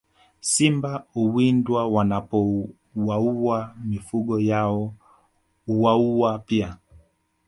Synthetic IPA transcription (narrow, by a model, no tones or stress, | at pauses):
simbauwindwawanapɔ | wauamifuɡɔjaɔ | uwauwapia